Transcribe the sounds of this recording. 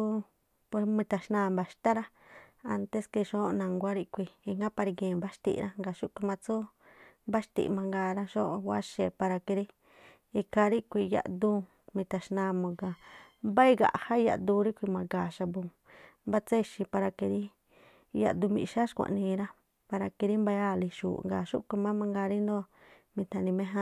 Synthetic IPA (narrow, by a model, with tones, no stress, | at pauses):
u˦ | pe˧mĩ˧t̪a˨ʃnãː˧˨mba˨ʃt̪a˦ɾa˦ | a˧nt̪e˦ske˧ʃo˦˧nã˨ŋɡʷa˦ɾi˦kʷi˧i˧ŋɡa˦pa˧ɾi˧ɡẽː˨ba˦ʃt̪ḭ˧ʔɾa˦ŋɡa˨ʃu˦kʷi˧mã˧t͡su˦ | ba˦ʃt̪ḭ˧ʔmã˧ŋɡaː˧ɾa˦ʃo˦ʔwa˦ʃe˧˨pa˧ɾa˧ke˧ɾi˦ | i˧ka˧ɾi˦kʷi˧ja̰˧ʔd̪u˦˧˦ | mĩ˧t̪a˧ʃnã˧mõ˧ɡa˨ | mba˦i˦ɡa̰˨ʔha˦ja̰˧ʔd̪u˧ɾi˦kʷi˧mã˧ɡa˨ʃa˧bũ˧ | mba˦t͡se˦˧ʃi˧pa˧ɾa˧ki˧ɾi˦ | ja̰˧ʔd̪u˧mḭ̃˧ʃa˦ʃkʷã̰˧˨ʔnĩ˧ɾa˦ | pa˧ɾa˧ki˧ɾi˦mba˧ja˦˨li˧ʃṵː˨ŋɡa˨ʃṵ˦kʷi˧mã˦mã˧ŋɡa˧ɾi˦nd̪o˦ | mĩ˧t̪a˧nĩ˧mẽ˦ɦã˦˧